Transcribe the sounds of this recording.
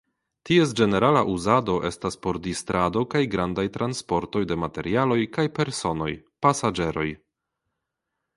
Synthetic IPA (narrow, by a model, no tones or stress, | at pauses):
ties̬d͡ʒe̞ne̞ɾalaʔuzado̞ʔe̞staspo̞ɾdistɾado̞kajɡɾandajtɾanspo̞ɾto̞jde̞mate̞ɾialo̞jkajpe̞ɾso̞no̞jpasad͡ʒe̞ɾo̞j